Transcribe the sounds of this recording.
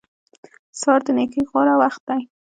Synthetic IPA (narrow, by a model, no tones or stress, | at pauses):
sɑɾd̪ənekijɣwɑɾawaxt̪̚d̪aj